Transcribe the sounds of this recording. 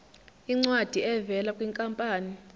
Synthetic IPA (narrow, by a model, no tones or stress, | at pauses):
iŋ͡ǀwad̥ʱiɛvɛlakʼwiŋkʼampʼaːni